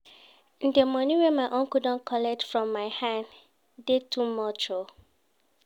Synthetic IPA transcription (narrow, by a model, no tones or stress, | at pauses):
ĩndəmɔnĩwɛ̃nmaɪʔõŋkudɔ̃nkʰɔlɛtfɹɔ̃mːaɪhãn | detʰumɔt͡ʃo